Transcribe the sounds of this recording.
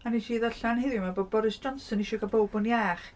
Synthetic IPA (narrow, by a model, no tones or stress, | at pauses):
anitʰiːðəɬanhɪðjʊmaboːd̚bɔɾɨsd̥d͡ʒɔnsɔniʃɔɡabowbʊnjaːχ